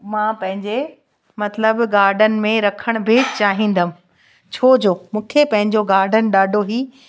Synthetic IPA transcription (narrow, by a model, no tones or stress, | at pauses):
mãːpɐ̃ɦɪ̃ɲd͡ʑe | mɐt̪ləbɡaːɾɖənɪ̆mẽɾɐkʰəɽ̃bʱɪt͡ɕaːɦĩːn̆d̪əm̃̆ | t͡ɕʰoːd͡ʑoːmũːkʰepɐ̃ɦɪ̃ɲd͡ʑoɡaːɾɖʱənɪ̆ɗaːɖʱoɦiː